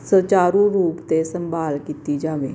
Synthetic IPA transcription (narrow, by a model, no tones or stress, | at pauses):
sət͡ʃaːɾũːɾuːpt̪esəmbʱaːlkit̪iːd͡ʒaːʋḛː